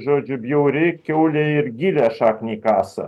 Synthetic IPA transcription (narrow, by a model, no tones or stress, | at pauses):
ʒoːd͡ʒʲʊbʲjɛʊɾʲɪkʲɛʊlʲeɪɾɡʲilʲæʃɑːknʲiːkɑːsɐ̰